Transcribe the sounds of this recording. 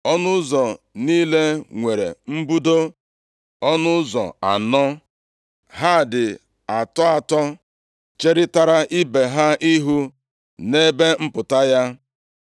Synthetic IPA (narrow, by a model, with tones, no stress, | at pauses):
ɔ˦nʊ˦zɔ˨niː˦le˦ŋʷe˨ɾḛ˨m̩˦bu˦do˦ | ɔ˦nʊ˦zɔ̰˨a̰˨nɔ˦ | ɦa˦˨dɪ˨ | a˨tɔ˦a˨tɔ˦ | t͡ʃe˦ɾɪ˦ta˨ɾa˦ʔi˦be˨ɦa˦ʔi˦ɦu˦ | ne˦be˦m̩˦pʊ˨ta˦ja˦